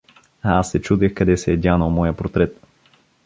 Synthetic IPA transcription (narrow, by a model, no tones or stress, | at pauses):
ɐasːɛt͡ʃud̪ɛxkɐd̪ɛsɛːd̪ʲanəlˠmɔjəpɾot̪ɾɛt̪